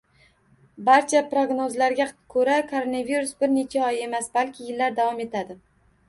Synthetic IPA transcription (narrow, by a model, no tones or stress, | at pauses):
baɾt͡ʃʰapɾoɡnozlaɾɡʲakʰɵɾakʰoɾonaviɾʊsbɪɾne̞t͡ʃʰaɒje̞masbalkʲʰɪjɪlːaɾd̪avɒme̞t̪ʰad̪ɪ